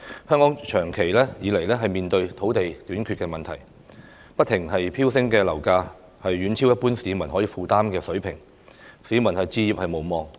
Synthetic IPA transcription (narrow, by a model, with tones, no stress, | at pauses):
hœː˥ŋkɔː˨˥ŋt͡ʃʰœː˨˩ŋkʰe˨˩jlɛː˥jiː˨˧le˨˩jlɛː˥ɦɐ˨jmiː˨nt̪ɵ˧ɥt̪ʰo˨˥wt̪e˨jt̪yː˨˥nkʰy˧t̚kɛː˧mɐ˨nt̪ʰɐ̰˨˩j | pɐ˥t̪ʰːɪ˨˩ŋɦɐ˨jpʰiː˥wsɪ˥ŋkɛː˧lɐ˨˩wkaː˧ | hɐ˨jːyː˨˥nt͡sʰi˥wjɐ˥t̚puː˥nsiː˨˧mɐ˨˩nɦɔː˨˥jiː˧fuː˨t̪aː˥mkɛː˧sɵ˨˥ɥpʰɪ˨˩ŋ | siː˨˥mɐ˨˩nhɐ˨jt͡siː˧jiː˨p̚hɐ˨jmo˨˩wmɔː˨ŋ